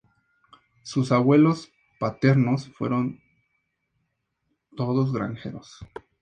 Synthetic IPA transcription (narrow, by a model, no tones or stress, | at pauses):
susaβwe̞lo̞s | pat̪e̞ɾno̞sfwḛɾo̞n | t̪o̞ðoz̬ɣɾa̰ŋxe̞̰ɾos